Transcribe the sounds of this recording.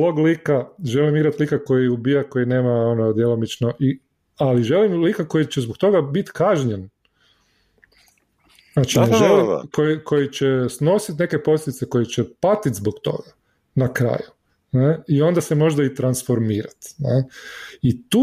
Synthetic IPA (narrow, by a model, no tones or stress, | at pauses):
loɡlikaʒe̞limiɡɾat̪likako̞jiubiːjako̞jine̞ːmaonod̪jelomit͡ʃnoʔi | aliʒe̞limlikako̞jit͡ɕezbokt̪o̞ɡabit̪kaʒɲen | at͡ʃineʒelḭkojikʰo̞jit͡ɕesno̞sit̪ne̞ke̞po̞slʲed̪it̪seko̞jit͡ɕɛpat̪it̪zbokt̪o̞̰ɡa | nakɾa̰ːju | neio̞nd̪asemo̞ʒd̪ait̪ɾansfo̞ɾmiːɾat̪neit̪uː